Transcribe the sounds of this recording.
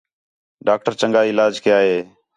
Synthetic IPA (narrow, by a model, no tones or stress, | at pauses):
ɖaːk̚ʈəɾt͡ʃəŋɡaːɪlaːd͡ʒkəjaːɦeː